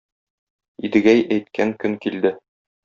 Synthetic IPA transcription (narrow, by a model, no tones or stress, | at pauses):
id̪ɘ̆ɡæjæjt̪̚kʰæŋkɵŋkild̪ɘ